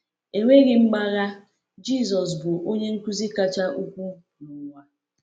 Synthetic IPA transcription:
e˨ŋʷe˦ɡɪ˨ŋ͡m̩˦ɡ͡ba˦ɣa˦ | d͡ʒi˦˨zɔ˨s̬bʊ˨ʔo˦ɲe˦ŋ̩˦ku˦zi˦ka˦t͡ʃa˦ʔu˦kʷu˦ | nʊ˨˦ŋʷa˦

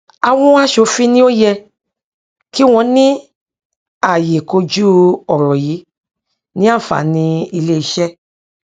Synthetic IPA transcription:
a˧w̃ɔ̃˦a˦ʃo˧˦fi˦nĩ˦o˦jɛ˧ | ki˦w̃ɔ̃˧nĩ˦ | a˦˨je˨ko˧d͡ʒu˦ɔ˨ɾɔ˨ji˨˦ | nĩ˦a˦˨fa̰˨nĩ˧i˧le˦i˧ʃɛ˦

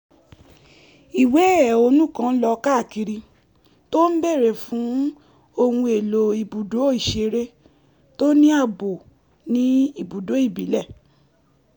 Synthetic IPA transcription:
i˨we˨˦˨o˧˦nũ˦kã˦˧n̩˦lɔ˧ka˦˨ki˧ɾi˧ | to˦n̩˦bɛ˦˨ɾɛ˨fũ˨˦ | o˧hũ˧e˨lo˨i˨bu˨do˨˦i˦˨ʃe˧ɾe˦ | to˦nĩ˦a˦˨bo˨ | nĩ˦i˦˨bu˨do˨˦i˦˨bḭ˨˦lɛ˦˨

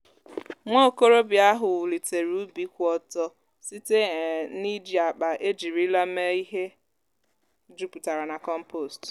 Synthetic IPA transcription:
ŋo˦o˦˨ko˦ɾo˦bja˦ɦʊ˨wʊ˨li˨te˨ɾu˦bi˦kʷɔ˨tɔ˦ | si˦te˦˨ni˦d͡ʒi˨a˨k͡pa˨ʔe˦d͡ʒi˨ɾi˦la˦me˦i˦ɦe˦ | d͡ʒu˦pu˨ta˨ɾa˨na˨kɔ˦m̩˦po˨st

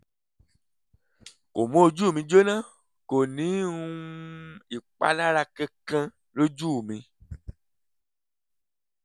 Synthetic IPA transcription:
ko˨mõ˦o˧d͡ʒu˦˨mĩ˧d͡ʒo˦nã˦˨ | ko˨nĩ˨˦ũ˦i˨k͡pa̰˦la˦ɾa˧kã˧kã˧ | lo˦d͡ʒu˦˨mĩ˧

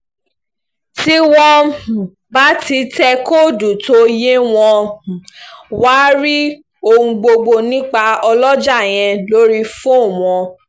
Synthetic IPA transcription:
ti˦wɔ̃˦˨ | ba˦ti˧tɛ˧ko˦du˨to˨˦je˦w̃ɔ̃˧˨ | wa˦ɾi˦ | o˧ũ˧ɡ͡bo˧ɡ͡bo˧nĩ˦k͡pa˧ɔ˧lɔ˦d͡ʒa˦˨j̃ɛ̃˧lo˦ɾi˦fũ˦˨w̃ɔ̃˧

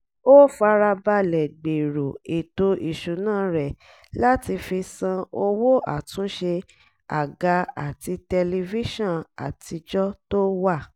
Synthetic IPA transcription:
o˦fa˧ɾa˧ba˧lɛ˨ɡ͡be˨ɾo˨e˨to˧ʔi˨ʃu˨nãː˦ɾɛ˨ | la˦ti˧fi˧sã˧o˧wo˦ʔa̰˨tũ˨˦ʃe˧ | a˨ɡa˧a˨ti˧tɛ˧li˧vi˦ʃɔ̃˦˨a̰˨tʰi˧d͡ʒɔ˦to˦wa˦˨

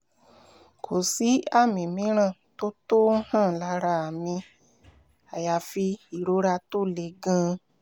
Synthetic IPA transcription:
kʰo˨si˨˦a˦˨mĩ˨mĩ˨˦ɾ̃ã˦˨to˦to˦hã˦˨la˧˦ɾa˧a˨mĩ˧ | a˨ja˨fi˧i˨ɾo˨˦ɾa˧to˦˨le˨˧˦ɡã˧

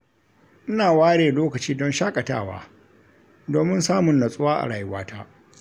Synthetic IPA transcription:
ʔɪ˦naː˨waː˦ɽeː˨loː˦kɐ˨t͡ʃiː˦dɔ˦nʃaː˦kʼɐ˨ta̰ː˦˨wa̰ː˦ | doː˨mɪ˦nsaː˦mʊ˨nːɐ˨sʼʊ˦waː˦ʔa̰˨ɽaː˨jɪ˦waː˦tʰaː˦ʔ

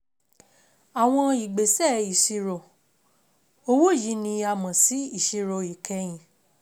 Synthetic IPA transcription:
a˨w̃ɔ̃˧i˨ɡ͡be˨sɛ˦˨i˨ʃi˧ɾo˨ | o˧wo˦˨ji˨˦nĩ˧a˧˨mã˨si˨˦i˦˨ʃi˧ɾo˧i˨kʰɛ˧j̃ĩ˨

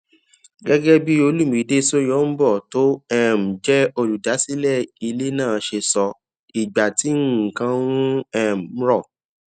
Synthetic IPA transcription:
ɡɛ˦ɡɛ˦bi˦o˧lu˦˨mĩ˨˦de˦so˦jɔ˨˦m̩˦bɔ˦˨to˦ɛ˦˨m̩˨d͡ʒɛ˦o˧ɾu˨da˨˦si˦lɛ˦˨i˧le˦nãː˦˨ʃe˧sɔ˧ | i˨ɡ͡ba˨ti˨˦ŋ̩˦˨kã˧w̃ũ˦ɛ˦˨m̩˨˦ɾɔ˦˨

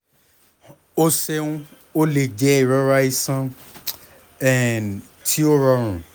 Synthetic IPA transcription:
o˦se˦˧ũ˦ | o˦le˨d͡ʒɛ˨˦i˦˨ɾɔ˦ɾa˦i˦sã˦ | ɛ̃˨n | tʰi˦o˦ɾɔ˧ɾ̃ũ˨

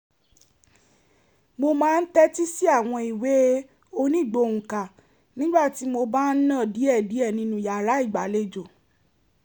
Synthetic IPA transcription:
mo˧mãː˦˧n̩˦tɛ˦ti˦si˦a˦˨w̃ɔ̃˧i˨we˨˦ | o˧nĩ˦˨ɡ͡bo˧˨ŋũ˨ka˨ | nĩ˦ɡ͡ba˦˨ti˨˦mo˧ba˦n̩˦nã˦˨di˨˦ɛ˦˨di˨˦ɛ˦˨nĩ˧nũ˧ja˨ɾa˨˦i˦˨ɡ͡ba˨le˧d͡ʒo˨

